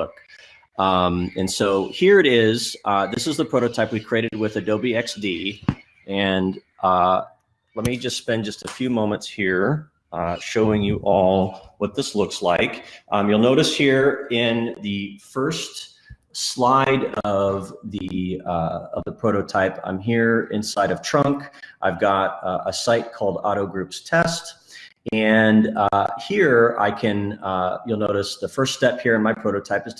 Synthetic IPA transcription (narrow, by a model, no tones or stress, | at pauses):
ʊk | ʌ̃mɨ̃nsoʊhiɹɨɾɪz̥ʌðɪsɨzðəpʰɹ̥oʊɾoʊtʰaɪpwikʰɹ̥ieɪɾɨd̚wɪðɨdoʊbiɛksd̥i | ɨ̃n | ʌ | lɛt̚mid͡ʒʌstspɛ̃nd͡ʒʌstɨfjʉmõʊ̃mə̃ntshiɹ | ʌʃoʊɪ̃ŋjɨʔɔlˠwʌt̪̚ðɪslʊkslaɪkʔʌjulˠnoʊɾɨshiɹɪ̃nðɨfɜ˞st | slaɪɾʌvðɨ | ʌvðəpʰɹ̥oʊɾoʊtʰaɪpʰã̰ɪ̃mɦiɹɪ̰̃nsaɪɾʌv̥tʰɹ̥ʌ̃ŋkʔaɪvɡɑɾʔəsaɪt̚kʰɔlˠdɑ̰ɾoʊɡɹʉpstʰɛst | ɨ̃nʌhiɹa̰ɪkʰɨ̃nʌjulˠnoʊɾɨsðəfɜ˞ststɛphiɹɨ̃nmaɪpʰɹ̥oʊɾoʊtʰaɪpɨz̥